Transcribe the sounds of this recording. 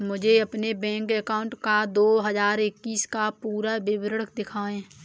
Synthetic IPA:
mʊd͡ʒʱeɐpnebɛ̃ːŋkɛkaːʊɳʈkad̪oːɦəzaːɾɪkːiːskapuːɾabɪbɾəɽəkd̪ɪkʰaːẽː

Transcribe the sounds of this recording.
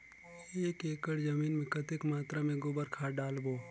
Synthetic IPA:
eːkeːkəɽzɐmiːnmẽkɐt̪ɪkmaːt̪ɾamẽɡʊbəɾkʰaːɖaːlboː

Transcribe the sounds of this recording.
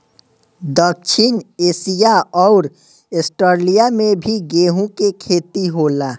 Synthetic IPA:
d̪ək̚t͡ʃʰinesijaɔʊɾ | esʈəɾlijamebʱiɡeɦũkekʰet̪iɦola

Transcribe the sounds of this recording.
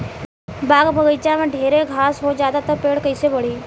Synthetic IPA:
baːɡbʱəɡəɪt͡ʃãmẽɖʱeːɾeɡʱaːsɦod͡ʒaːd̪at̪əpeːɽkəɪsebəɽ̤iː

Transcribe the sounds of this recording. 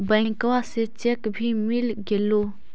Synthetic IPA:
bə̃ɪ̃ŋkʋaset͡ʃekbʱiːmɪlɡeloː

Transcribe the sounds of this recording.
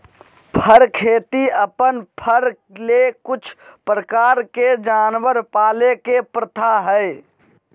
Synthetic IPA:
pʰəɾkʰet̪iəpənpʰəɾ | lekut͡ʃʰpɾəkaɾked͡ʒanʋəɾpaːlekepɾət̪ʰaɦəj

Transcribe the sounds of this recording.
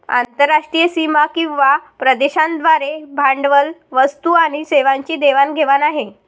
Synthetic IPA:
a̰nt̪əɾːaʂʈɾijəsimakĩw̃ʋapɾəd̪eɕãnd̪ʋaɾebʱaɳɖʋəlʋəst̪uaɽ̃iseʋaɲt͡ɕiːd̪eʋanɡʱeʋanaɦe

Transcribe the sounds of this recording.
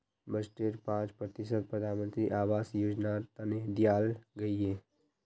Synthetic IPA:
bəsʈeːʈpãːt͡ʃpɾət̪ɪsəd̪̚pɾəd̪ʱaːnmə̃nt̪ɾiʔaːʋaːsjoːd͡ʒnat̪aned̪jaːlɡɐieː

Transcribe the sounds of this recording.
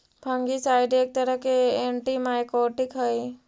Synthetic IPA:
pʰə̃ŋɡisaːɪɖeːk̚t̪əɾəɦkeeːɳʈimaːjkoːʈɪkɦəj

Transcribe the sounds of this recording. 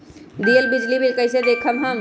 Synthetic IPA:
d̪iəlbid͡ʒlibilkəɪsed̪ekʰəmɦãm

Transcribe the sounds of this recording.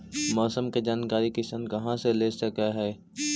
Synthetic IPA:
mɔːsəmked͡ʒaːnkaːɾikɪsənkɐɦãseleːsəkaɦɛː

